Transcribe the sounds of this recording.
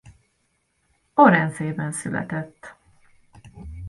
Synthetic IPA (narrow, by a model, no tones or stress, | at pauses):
oɾɛnzeːbɛnsylɛ̰t̪ɛt̪ː